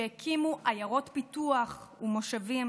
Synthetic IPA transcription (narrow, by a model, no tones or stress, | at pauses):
ekʰimuʔajaʁo̞tpituaχumo̞ʃavim